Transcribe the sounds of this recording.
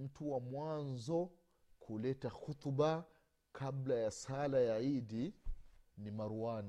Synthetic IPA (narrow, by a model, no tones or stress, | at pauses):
m̩tuwamwanzɔ | kʰulɛtaxut̪ba | kʰablajasalajaidi | nimaɾuan